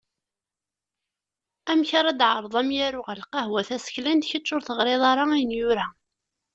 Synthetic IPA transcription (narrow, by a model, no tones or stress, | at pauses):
æmçɑɾˤɑd̪ʕəɾˤðˤɑmjæɾʊʁəlqɑhwæθæsə̥çlænd̪çət͡ʃːʊɾθəʁɾeðˤɑɾˤɑæjənjʊɾæ